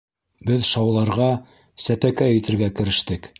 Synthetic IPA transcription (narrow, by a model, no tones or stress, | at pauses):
bɘðʃɑwlˠɑɾʁɑ | sæpækæjɘ̆t̪ɘ̆ɾɡækɘ̆ɾɘ̆ʃt̪ɘk